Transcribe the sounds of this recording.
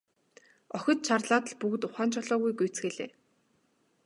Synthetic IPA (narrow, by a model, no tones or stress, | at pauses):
ɔxʲɞ̆t̪̚t͡ɕʰarɮaːt̪ə̆ɮpuɣɘ̆t̪ʊχaːnt͡ɕʰɔɮɔːɣujɡujt͡sxeːɮḛː